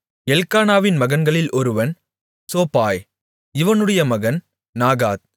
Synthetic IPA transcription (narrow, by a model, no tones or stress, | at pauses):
ɛlkaːnaːʋɪnmɐɣɐnɡɐɭɪlʔɔɾɯʋɐn | soːpaːj | ɪʋɐnɯɽɐjɐmɐɣɐn | naːɣaːt̪̚